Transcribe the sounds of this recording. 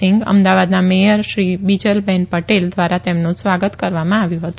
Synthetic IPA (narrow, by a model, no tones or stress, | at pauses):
ɪŋɡə̰md̪aʋad̪namejəɾʃɾibid͡ʒəlbɛnpəʈeld̪ʋaɾat̪emnũsʋaɡət̪kəɾʋamãaʋjũɦət̪u